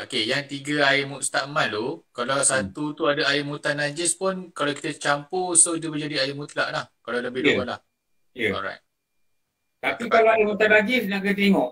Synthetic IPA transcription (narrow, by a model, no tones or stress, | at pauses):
okejaŋt̪iɡaaɪmust̪amãnlokalawsat̪ut̪uadaaɪmut̪anːad͡ʒɪspʊnkalaki̥t̪at͡ʃampusodəbəd͡ʒadiajɪmut̪laʔlahkalaləbɪhduola̰h | aɔ̰ɾa̰jt̚ | t̪apikalaaɪmut̪anlad͡ʒisnaɡət̪eŋɔʔ